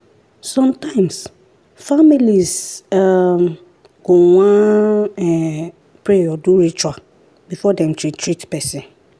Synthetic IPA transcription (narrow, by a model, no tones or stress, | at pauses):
sɔ̃mtãɪ̃ms | familiza | ɡ̥owãɛ̃ | pʰɾejɔduɾit͡ʃwa | bifɔdɛ̃mtʰɹitʰɹitpɛsɪ̃n